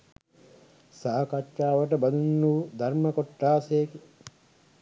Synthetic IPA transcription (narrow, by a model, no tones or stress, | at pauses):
saːkat͡ʃʃaːʋəʈəbɐd̪unːuːd̪ʱaɾmɐkoʈːaːseːki